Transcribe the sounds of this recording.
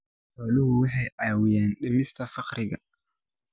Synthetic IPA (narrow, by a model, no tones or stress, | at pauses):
ħɔːlɪhʊwɑħɑjʕɑːwɪjɛːnɗɪmɪst̪ʰɐfɑqɾɪɣɐ